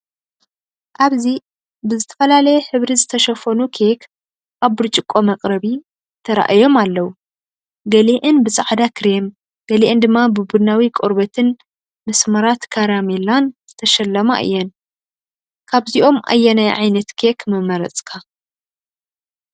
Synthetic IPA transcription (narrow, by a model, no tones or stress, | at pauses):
ʔaβzi | bɨzɨt̪ʰɐ̥fɐlalɐjɛħɨβɾizɨt̪ʰɐʃɐfɐnukʰekʰ | ʔaβbɨɾt͡ʃʼɪkʼːo̞mɐkʼɾɐβi | t̪ʰɐɾa̰ʔjo̞malːɐwu | ɡɐleʔɨnbɨsʼaʕd̪akʰɨɾem | ɡ̥ɐleʔɨnd̪ɨmːabɨbud̪nawikʼoɾbɐt̪ʰɨn | mɐsmɐɾat̪kʰaɾamelanz̥ɨt̪ʰɐʃɐlːɐma̰ʔɨ̰jːɛn | kʰaβziʔo̞mʔa̰jːɐnajʕajnɐt̪kʰekmɐmːɐɾɐ̰t͡sʼkʰa